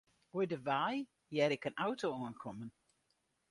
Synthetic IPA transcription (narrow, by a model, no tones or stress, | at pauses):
ojdəvaj | jɛɾɪkənawtoɔːənkʰɔmən